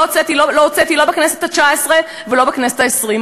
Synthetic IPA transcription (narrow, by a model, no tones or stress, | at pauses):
ot͡set̪iloloot͡set̪ilo̞bekneset̪at͡ʃaesʁe | velo̞bekneset̪aesʁim